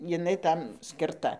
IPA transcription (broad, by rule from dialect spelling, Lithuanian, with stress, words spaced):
jɪˈnɐɪ ˈtɐm sʲkʲɪrˈtɐ